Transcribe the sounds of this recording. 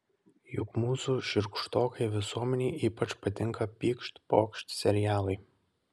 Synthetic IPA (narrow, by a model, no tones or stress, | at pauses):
jʊkmuːsuːʃʲɪɾkʃt̪oːkɐɪʋʲɪsuɔmʲɛnʲɛɪʔiːpɐt͡ʃpɐt̪ʲɪŋkɐpʲiːkʃt̪ʲpo̰ːkʃʲt̪ʲsʲɛɾʲɪjæːlˠɐɪ